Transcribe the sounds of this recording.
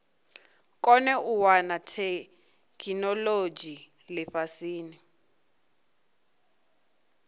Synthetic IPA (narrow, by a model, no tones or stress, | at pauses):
kʼɔnɛuwanatʰɛ | kʼinɔlod͡ʒi | lɛɸasiːni